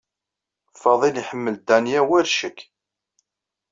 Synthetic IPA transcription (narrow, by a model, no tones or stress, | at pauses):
fɑðˤiliħəmːəld̪ænjæwæɾʃəkː